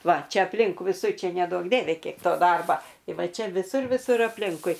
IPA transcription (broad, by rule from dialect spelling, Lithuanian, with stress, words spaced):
ˈʋɐ ˈt͡ʃʲɛ ɐpʲˈlʲɪŋk ʋʲɪˈsʊr ˈt͡ʃʲɛ nʲɛˈduɔk ˈdʲiɛʋʲɛ ˈkʲiɛk ˈtoː ˈdɐrbɐ ɪ ˈʋɐ ˈt͡ʃʲɛ ʋʲɪˈsʊr ʋʲɪˈsʊr ɐpʲˈlʲɪŋkʊɪ